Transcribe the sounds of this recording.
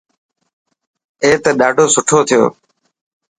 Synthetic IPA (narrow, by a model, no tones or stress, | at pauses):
eːt̪əːɗaːɖʱoːsʊʈʰoːt̪ʰɪjo̰ː